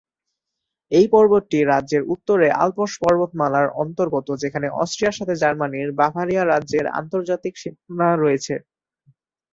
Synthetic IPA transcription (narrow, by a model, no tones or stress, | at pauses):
ejpɔɾboʈʈːiɾadʑeɾut̪ːoɾeʔa̰lpoʃpɔɾbot̪malaɾɔnt̪oɾɡot̪od͡ʑekʰaneʔɔ̰sʈɾijaɾʃat̪ʰed͡ʑaɾmaniɾbaɦaɾiaɾadːʑeɾa̰nt̪oɾd͡ʑat̪ikʃinaɾɔet͡ɕʰe